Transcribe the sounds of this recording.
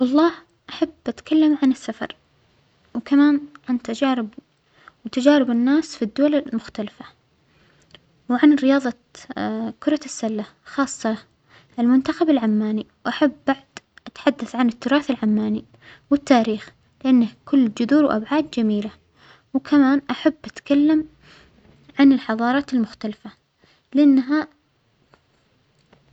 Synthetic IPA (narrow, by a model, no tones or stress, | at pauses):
wɑlˤːɑːh | ʔaħabːʔat̪kʰalːamʕanɪsːafɑ̰ɾˤ | wkamaːnʕant̪ad͡ʒaːɾɪb | wt̪ad͡ʒaːɾɪbɪnːaːsfid̪ːʊwalamʊxt̪alafḁ | wʕanɾɪjɑːðˤɑ | kʊɾˤɑsːalːa | xɑːsˤːɑ | ɪlmʊnt̪axabɪlʕamːaːniwʔaħabːaʕd̪̥ʔat̪ħad̪ːaθʕanɪt̪ːʊɾˤɑːθalʕamːaːni | wɪt̪ːaːɾiːx | lɪʔanːakʰʊlːd͡ʒʊðuːɾwʔa̰bʕaːd̪d͡ʒamiːla | wkʰamaːnʔaħabːʔat̪kalːam | ʕanɪlħɑðˤɑːɾˤɑːt̪ɪlmʊxt̪alafa | lɪʔanːɦa